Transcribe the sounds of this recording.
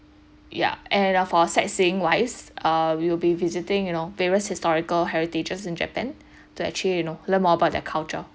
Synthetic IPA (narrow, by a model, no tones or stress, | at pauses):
ja̰ʔɛ̃nfɔsɛ̰tsiɪ̃ŋwaɪsʔʌwilbivizitɪ̃ŋjunoveɹiəshistɔɹikəlɦɛɹited͡ʒəsĩnd͡ʒɛ̰pɛ̃n | tuɛ̰k̚t͡ʃlijunolə̃nmɔəbaʊt̚dɛkʰalt͡ʃə